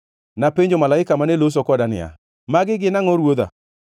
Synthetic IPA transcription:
napeɲd͡ʒomalaɪkamanelos̬okɔdanɪ̰a̰ | maɡɪɡɪnaŋɔɾwod̪a̰

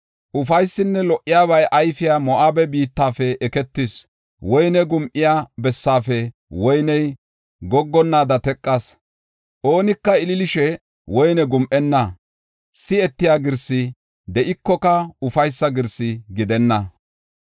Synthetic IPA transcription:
ʔʊfɐjsːɪnːɛlɔʔːɪjaːβɐjʔɐjfɪjaːmɔʔaːbɛbiːt̪ːaːfɛɛkɛt̪ːɪs | wɔjnɛɡʊmʔɪjaːbɛsːaːfɛ | wɔjnɛj | ɡɔɡːɔnːaːd̪ɐt̪ɛkʼːɐs | ʔoːnɪkːɐɪlɪlɪʃɛ | wɔjnɛɡʊmʔɛnːɐ | sɪɛt̪ːɪjaːɡɪɾsɪ | d̪ɛʔɪkːɔkɐʊfɐjsːɐɡɪɾsɪɡɪd̪ɛnːɐ

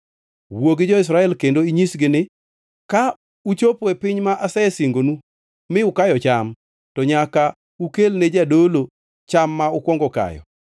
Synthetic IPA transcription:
woɡɪd͡ʒɔɪs̬ɾaɛlkendoiɲisɡɪnɪ | ka | ut͡ʃopɛpɪɲmaʔasɛɛsiŋɡonu | mɪʊkajɔt͡ʃam | tɔɲaka | ukelned͡ʒadolo | t͡ʃamːaʊkwɔŋɡɔka̰jɔ̰

